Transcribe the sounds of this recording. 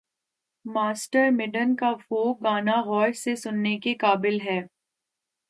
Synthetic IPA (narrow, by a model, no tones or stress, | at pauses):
maːsʈəɾmɪɖənkafoːk̚ɡaːnaɣɔːʃsesʊnːekekaːbɪlɦɛː